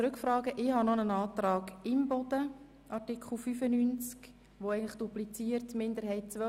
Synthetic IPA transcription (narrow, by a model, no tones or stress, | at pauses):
t͡sɾʉkfɾɑːɡəʔɪhɑnɔnənɑːt̪ɾɑːɡɪmbɔd̥̪ə | ʔɑtikχl̩ˠfyfənynt͡sk | ʋoæɪənlɪχd̥uplit͡siːərtmɪndəɾɦɛɪt̚t͡sʋœ